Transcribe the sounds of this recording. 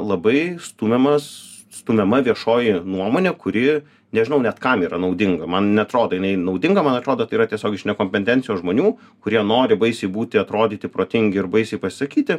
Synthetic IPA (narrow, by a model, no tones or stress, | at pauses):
lˠɐbɐɪst̪umʲɛmɐs | st̪umʲɛmɐʋʲiɛʃoːjɪnuɔmoːnʲɛkʊɾʲɪ | nʲɛʒʲɪnɐʊnʲɛt̪kɐmiːɾɐnɐʊd̪ʲɪŋɡɐmɐnnʲɛɐt̪ɾoːd̪oːjɪnɐɪnɐʊd̪ʲɪŋɡɐmɐnɐt̪ɾoːd̪oːt̪ɐɪiːɾɐt̪ʲiɛsʲoːɡʲɪʃʲnʲɛkoːmʲpʲɛnʲt̪ʲɛnʲsʲɪjːsʒmoːnʲuː | kʊɾʲiɛnoːɾʲɪbɐɪsʲɛɪbuːt̪ʲɪɐt̪ɾoːd̪ʲiːt̪ʲɪpɾoːt̪ʲɪŋʲɡʲɪɪɾbɐɪsʲɛɪpɐsʲɪ̥sɐkʲiːt̪ʲɪ